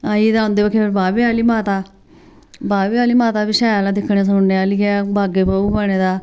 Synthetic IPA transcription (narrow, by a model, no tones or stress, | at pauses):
aːiːd̪ãːõːnd̪eːbəkʰːeːpːɾbaːbeːaːliːmaːt̪aː | baːbeːaːliːmaːt̪aːbɪʃaːjaːlãːd̪ɪkʰːɳẽːs̬oːneːaːliaːbaːɡeːpəuːbəɽ̃eːd̪aː